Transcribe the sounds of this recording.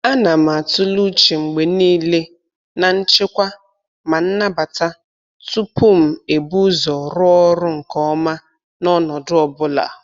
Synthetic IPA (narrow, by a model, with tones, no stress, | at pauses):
a˦na˨m̩˨a˨tʊ˦lu˦t͡ʃi˨ŋ͡m̩˨ɡ͡be˨niː˦le˦ | na˨n̩˦t͡ʃɪ˦kʷa˦ | ma˨n̩˦na˦ba˨ta˦ | tu˦pu˦m̩˨e˨bu˦zɔ˨ɾʊ˦ɔ˦ɾʊ˦ŋ̩˨kɔ˦ma˦ | nɔ˦nɔ˨dʊ˦ɔ˨bʊ˦la̰˨